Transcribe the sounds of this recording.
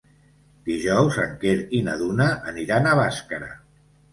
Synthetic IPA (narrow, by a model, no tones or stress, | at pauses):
d̪̥iʒɔwzə̰ŋkeɾinəðunəʔːniɾanəβaskəɾə̰